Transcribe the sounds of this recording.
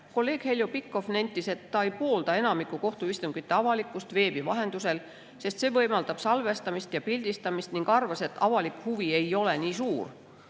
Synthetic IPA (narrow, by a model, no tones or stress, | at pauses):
ko̞lːe̞ːɡ̥he̞ljupikːˑo̞fnenʲt̪ːˑise̞t̪ːɑejpo̞ːld̪̥ɑe̞nɑmikːˑuko̞ht̪uist̪uŋɡ̥it̪ːˑe̞ɑvɑlikːˑust̪ve̞ːb̥ivɑɦe̞nd̪use̞l | se̞st̪se̞ːvɤjmɑld̪ɑb̥sɑlve̞st̪ɑmist̪jɑpilʲd̪̥ist̪ɑmist̪niŋɡ̥ɑrvɑse̞t̪ːɑvɑlikhuvie̞jo̞le̞niːsuːr